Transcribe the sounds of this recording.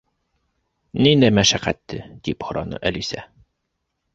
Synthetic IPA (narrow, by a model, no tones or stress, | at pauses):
nind̪æjmæʃæqæ̰t̪ːɘd̪̥iphŏɾɑnɤ̰ʔælisæ